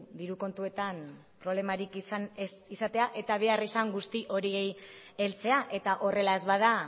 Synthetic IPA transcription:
d̪iɾuko̞nt̪ue̞t̪an | pɾole̞maɾiksnsisat̪e̞aʔe̞t̪aβ̞e̞arisaŋɡust̪iʔo̞ɾie̞j | e̞lt͡se̞aʔe̞t̪aʔo̞re̞lae̞zβað̞a

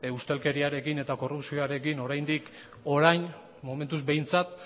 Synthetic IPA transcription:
ust̪e̞lke̞ɾiaɾe̞kine̞t̪ako̞rupsioaɾe̞kino̞ɾajnd̪ik | o̞ɾajn | mo̞me̞nt̪uzbe̞jnt͡sat̪̚

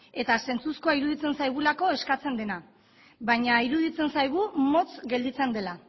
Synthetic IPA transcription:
e̞t̪ase̞nt͡suskoaiɾuðit͡se̞nsajɣ̞ulako̞e̞skat͡se̞nd̪e̞na | βaɲaiɾuðit͡se̞nsajɣ̞umo̞t͡sɡe̞ld̪it͡se̞nd̪e̞la

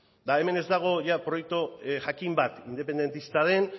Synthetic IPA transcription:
d̪aeme̞ne̞zd̪aɣ̞o̞ʝapɾo̞jek̚t̪oʝakimbat̪ind̪e̞pe̞nd̪e̞nt̪ist̪að̞e̞n

